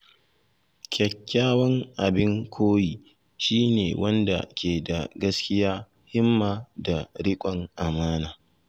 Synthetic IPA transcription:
kʲɐ˨kʲːaː˦wɐ˦ŋʔa˨bɪ˦ŋkʷʰoː˦jiː˨ | ʃiː˦nḛː˨wɐ˦nda̰˨kʲʰeː˨da˨ɡɐ˦skʲɪ˦jaː˦ | hɪ˦mːaː˨da˨ɽɪ˦kʷʼɔ˨ŋʔa˨maː˦naː˨

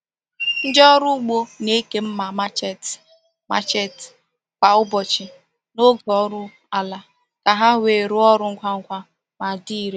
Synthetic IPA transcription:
n̩˦d͡ʒɔ˦ɾʊ˦ɡ͡bo˦ne˦ke˦m̩˦ma˨ma˦t͡ʃɛ˦t | ma̰˦˨t͡ʃe˦t | k͡pa˨ʊ˦bɔ˨t͡ʃɪ˨ | no˦ɡɔ˨˦ɾʊ˦ | a˨la˨ | ka˨ɦa˦wʷe˨ɾu˦ɔ˦ɾʊ˦ŋ̩˦kʷa˦ŋ̩˦kʷa˦ | ma˨di˦i˨ɾe˦

